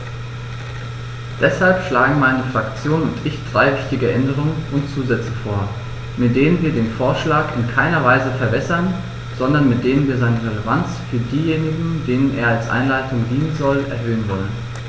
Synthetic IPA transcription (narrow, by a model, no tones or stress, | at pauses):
d̥ɛshalpʃlaːɡŋ̩maɪnəfʁ̥akt͡sjoːnʊntɪçd̥ʁaɪvɪçtɪɡəʔɛndəʁ̞ʊŋənʊntt͡suːzɛt͡səfoːɐ | mɪt̚d̥eːnənviːɐdeːnfoːɐʃlaːkɪnkʰaɪnɐvaɪzəfɛɐbɛsɐn | z̥ɔndɐnmɪt̚d̥eːnənviːɐzaɪnəʁeləvant͡sfyːɐdiːjeːnɪɡŋ̩deːnənʔḛːɐalsʔa̰ɪnlaɪtʊŋdiːnənzɔlɛ̰ɐɦøːənvɔlən